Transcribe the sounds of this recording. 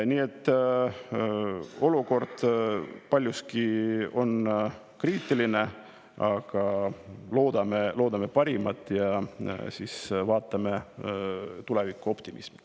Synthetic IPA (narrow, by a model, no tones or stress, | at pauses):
niːe̞t̪ːˑ | o̞luko̞rd̪̥pɑlʲjuskio̞n | kriːt̪ːˑiline̞ | ɑɡ̥ɑlo̞ːd̪ɑmelo̞ːd̪ɑme̞pɑɾimɑt̪ːˑjɑsisvɑːt̪ːˑɑme | t̪ule̞vikːˑuo̞pt̪imʔḭsmi̥